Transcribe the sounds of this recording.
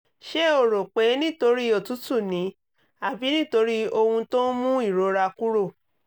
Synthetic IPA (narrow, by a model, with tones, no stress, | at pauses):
ʃe˦o˨ɾo˨k͡pe˨˦nĩ˦to˧˦ɾi˦o˦˨tu˨˦tu˦˨nĩ˨˦ | a˨bi˨˦nĩ˦to˧˦ɾi˦o˧hũ˧to˦mũ˦i˦˨ɾo˨˦ɾa˧ku˦ɾo˦˨